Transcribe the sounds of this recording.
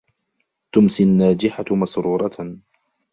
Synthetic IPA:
t̪ʊmsianːaːd͡ʒɪħamɑsɾuːɾˤɑ

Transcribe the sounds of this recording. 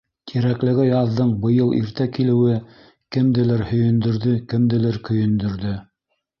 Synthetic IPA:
t̪ʰiɾæklɘ̆ɡɘjɑðːɤɴbɤ̆jɤlˠʔḭɾt̪ækilɘ̆wɘ | kɘ̆md̪ɘ̆lɘɾhɵ̆jɵ̆nd̪ɵ̆ɾðɵkɘ̆md̪ɘ̆lɘɾkɵ̆jɵ̆nd̪ɵ̆ɾðɵ

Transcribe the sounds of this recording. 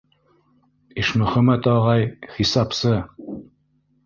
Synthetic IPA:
iʃmɵ̆χæmæt̪ɑʁɑjχisɑpsɤ

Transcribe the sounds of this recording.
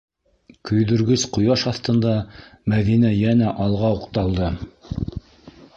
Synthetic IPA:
kɵ̆jðɵ̆ɾɡɵsqŏjɑʃɑθt̪ɤ̆nd̪ɑmæðinæjænæʔɑlˠʁɑuqt̪ɑlˠd̪ɤ

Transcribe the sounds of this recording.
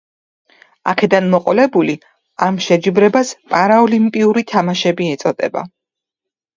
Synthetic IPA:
a̰kʰɛd̪anmɔqʼɔlɛbuli | amʃɛd͡ʒibɾɛbaspʼaɾaɔlimpʼiuɾit̪ʰamaʃɛbiɛt̪sʼɔd̪ʼɛ̰ba̰

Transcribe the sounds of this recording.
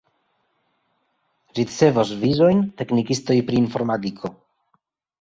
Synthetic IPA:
ɾit͡se̞vosvizo̞jnte̞knikisto̞jpɾiːnfo̞ɾmatikʰo̞

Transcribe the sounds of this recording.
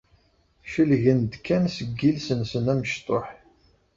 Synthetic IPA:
ʃəlʝənd̪kʰːænsəɡːilsənsənæməʃt̪ˤoħ

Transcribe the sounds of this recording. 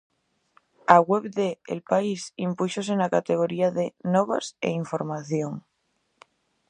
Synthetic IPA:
aɣweβðḛːlpaisimpuʃos̬enakat̪e̞ɣ̞oɾiaðenoβa̰sḛiɱfo̞ɾmaθjoŋ

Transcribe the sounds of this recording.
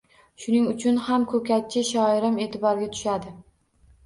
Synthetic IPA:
ʃʊnɪŋʊt͡ʃʰʊnhamkʰɵkʲat̚t͡ʃʰːɪʃɒɪɾɪme̞t̪ʰɪbɒɾɡʲat̪ʰʊ̥ʃad̪ɪ

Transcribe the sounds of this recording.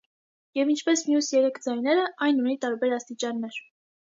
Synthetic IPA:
jɛvint͡ʃʰpɛsmjusjɛɾɛkʰd͡zɑjnɛɾəʔɑjnunit̪ɑɾbɛɾɑst̪it͡ʃɑnːɛɾ

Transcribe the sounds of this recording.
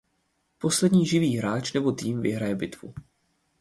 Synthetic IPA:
po̞slɛdɲiːʒɪviːɦɾaːt͡ʃnɛbo̞t̪iːmvɪ̰ɦɾajɛbɪt̪vṵ

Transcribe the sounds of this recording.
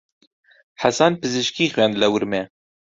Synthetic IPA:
ħasanpɨzɨʃkiːxwɥɛnd̪lɛwɨɾmɛ

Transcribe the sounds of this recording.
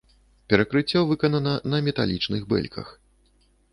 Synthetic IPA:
pʲɛɾɐkɾɨt͡sʲːɔvɨkɐnɐnɐnɐmʲɛt̪alʲit͡ʂnɨɣbɛ̰lʲkʰɐ̰x

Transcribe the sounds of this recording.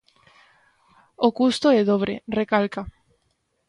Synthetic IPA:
okust̪oɛðoβɾḛrekalka

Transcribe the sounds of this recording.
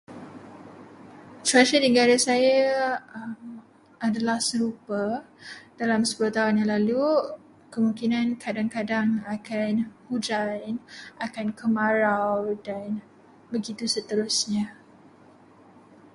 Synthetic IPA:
t̪ɾaʃədiŋɡaɾasaja | m | adalahsəɾupə | dalamsə̥puloht̪aɦunjãlalu | kəmũŋkinãnkʰadaŋkadaŋakanhud͡ʒanakankəmãɾawdan | bəɡit̪usət̪əɾʊsɲã

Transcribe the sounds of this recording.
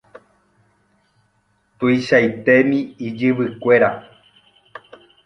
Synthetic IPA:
t̪uiʃajt̪emĩid͡ʒɨʋɨkʷe̞ɾa

